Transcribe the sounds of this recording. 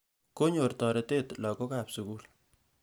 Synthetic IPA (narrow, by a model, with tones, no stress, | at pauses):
ko˦ɲo˨rtɔ˨ɾe˨te˦tlɔ˨ko˦ka˨psu˨ku˦l